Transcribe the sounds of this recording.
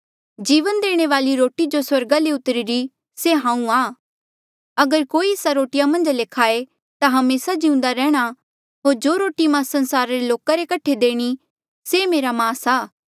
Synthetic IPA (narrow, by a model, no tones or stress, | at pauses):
d͡ʒiːʋənd̪eːɽ̃eʋaːliɾoːʈid͡ʒoswɐɾɡaleʊt̪ɾiɾi | seɦãːũaː | ɐɡəɾkoːieːsaɾoːʈɪjamɐ̃nd͡ʒleːkʰaːe | t̪aɦɐmeːsad͡ʒiũnd̪aɾɛːɽ̃a | ɦoːɾd͡ʒoːɾoːʈimãsɐ̃nsaːɾaɾeloːkaɾekɐʈʰed̪eːɽ̃i | semeːɾamãːsaː